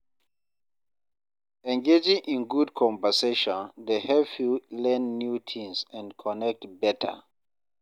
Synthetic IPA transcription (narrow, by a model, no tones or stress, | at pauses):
ɛ̃ŋɡed͡ʒĩŋʔĩnɡudkʰɔ̃ɱvəseʃɔ̃ndehɛvfilɛ̃nːjutʰĩŋsɛ̃nkʰɔnɛk̚tbɛtʰə̰